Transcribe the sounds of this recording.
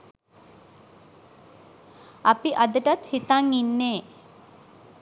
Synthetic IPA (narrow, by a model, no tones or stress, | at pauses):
apiʔad̪əʈat̪hit̪aŋinːeː